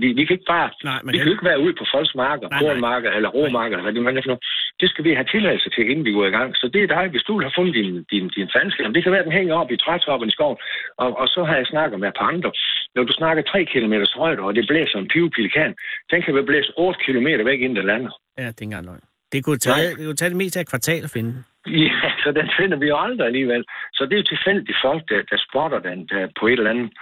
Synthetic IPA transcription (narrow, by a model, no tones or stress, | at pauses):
fd̥ḭːʋikʰæe̝ɡ̥əb̥ɑ̈ːʋikʰæoe̝ɡ̥ʋæːɐuð̞̰ˠpʰɒ̽fɒ̽lsɡ̥mɑ̈ːɡ̥ð̩ˠpʰonmɑ̈ːɡ̥əð̩ˠelɐʁo̝̰mɑ̈ːɡ̥əð̩elɐʋæd̥eʋææfnod̥e̝sɡ̥æʋiɦæt͡sʰe̝læɪl̩sət͡sʰe̝æe̝n̩ʋiɡ̥o̰iɡ̥ɑ̈ŋ̰sɒ̽d̥e̝æd̥ɑ̈ɪʋe̝sd̥ue̝lhɑ̈fɔ̽nð̩ˠd̥ind̥ind̥infænsɡ̥læmd̥e̝kʰæʋæːɐd̥enɦeŋ̰əɒ̽b̥it͡sʰʁɑt͡sʰɒ̽b̥ənisɡ̥ɒʊ̰n̩ʔɒ̽ʔɒsɒ̽ɦɑ̈jɑ̈ɪsnɑ̈ɡ̥əðˠmee̥pʰɑ̈ɑ̈nd̥ʁɐnɒd̥usnɑ̈ɡ̥ɐt͡sʰʁɛ̰ːkʰilo̝me̝̰ːd̥ɐsʁɔɪɾ̥ɐɒd̥e̝b̥lḛːsɒ̽enpʰiʊpʰilikʰɛ̰ːnd̥enkʰæʋeb̥lḛːsɔːd̥ə̥kʰilo̝me̝̰ːɾɐʋeɡ̥e̝n̩d̥ælæn̰ | jæd̥enɡ̥ɑ̈ŋnɒ̰ | d̥e̝kʰut͡sʰɛd̥e̝kut͡sʰɛːd̥eme̝ːsd̥æɐkʰʋɑ̈t͡sʰɛ̰ːlɒfenəd̥e | jæsɒ̽d̥enfe̝nɐʋijo̝ɑ̈nd̥ʁɐæliːʋel̰sɒ̽d̥e̝jo̝t͡sʰe̝fel̰d̥ifɒ̽l̰ɡ̥̚d̥æd̥æsb̥ɒɾ̥ɐd̥ed̥æpʰɒ̽e̝d̥elænð̩ˠ